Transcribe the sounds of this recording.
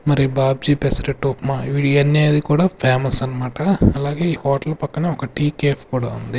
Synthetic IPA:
mɐɾibaːb̚d͡ʒiːpesɐɾeʈːoːpmaʋiɽiɐnːeːjɐd̪ikuːɽaːpʰaːmɐsɐnːɐmaːʈɐɐlaːɡeːiːkoːʈɐlɐpɐkːɐneːɔkɐʈiːkeːpkuːɽaːund̪i

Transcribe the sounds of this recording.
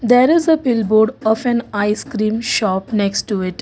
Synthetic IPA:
d̪eːɾɪzəpɪlboːɖɔːfɛ̃naɪskɾĩːmʃɔːpneksʈːuɪʈ

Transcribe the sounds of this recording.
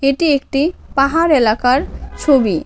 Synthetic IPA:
eʈiek̚ʈipaɦaɾelakaɾt͡ʃʰobi

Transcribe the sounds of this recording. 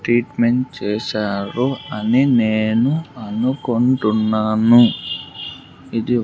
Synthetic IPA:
ʈɾiːʈme̞ɳʈt͡ʃɛːʃaːɾuɐnineːnuɐnuko̞ɳʈunːaːnu | id̪i

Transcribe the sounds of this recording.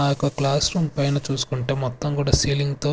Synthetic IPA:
aːjɔkːɐklaːsɾuːmpɐjnɐt͡ʃuːsu̥kuɳʈe̞ːmɔt̪ːɐmkuːɽaːsiːliŋɡt̪oː

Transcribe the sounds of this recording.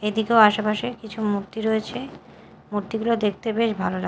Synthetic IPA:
ed̪ikeoaʃapaʃekit͡ɕʰumuɾt̪iɾɔet͡ɕʰe | muɾt̪iɡulod̪ek̚ʰt̪ebeʃbʱalola

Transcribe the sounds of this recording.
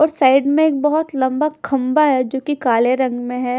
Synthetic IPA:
ɔːɾsaːɪɖmẽeːk̚bɐɦʊt̪lɐ̃mbakʰɐmbaɦɛd͡ʒoːkikaːleɾɐ̃ŋɡmẽɦɛː

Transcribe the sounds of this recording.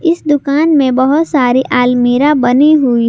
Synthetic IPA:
ɪsd̪ʊkaːnmẽbɐɦʊt̪saːɾiʔaːlmiːɾabɐniɦui

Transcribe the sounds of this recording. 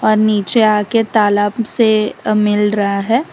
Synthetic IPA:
ɔːɾniːt͡ʃeaːket̪aːlaːbsemɪlɾɐɦaɦɛː

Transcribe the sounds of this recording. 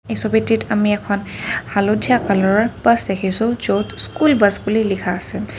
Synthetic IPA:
esobititamiɛkʰɔnhalodʱijakalɔɹɔɹbasdekʰisʊ̃zotskulbasbulilikʰaːsɛ

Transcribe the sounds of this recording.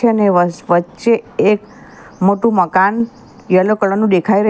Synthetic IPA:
eəneəʋətːʃeek | moʈũməkan | jəlokəɭənũd̪ekʰajɾə

